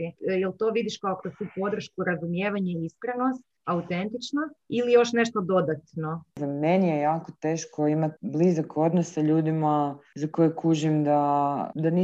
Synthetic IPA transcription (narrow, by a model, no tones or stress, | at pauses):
ijelˠt̪o̞ːʋid̪iʃkaokɾost̪upo̞d̪r̩ʃkuɾazumjeːʋaɲaiiskɾeno̞st̪ | aut̪ent̪it͡ʃnailijo̞ʃne̞ʃt̪od̪o̞d̪at̪no̞ammenijejaːkot̪eːʃkoimat̪blizakʰo̞d̪nossaʎuːd̪imazakojekuʒimd̪ad̪ani